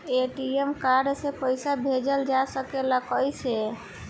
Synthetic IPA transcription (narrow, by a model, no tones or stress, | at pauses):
eʈiemkaɾɖsẽpəjsabʱed͡ʒəld͡ʒasəkelakəjse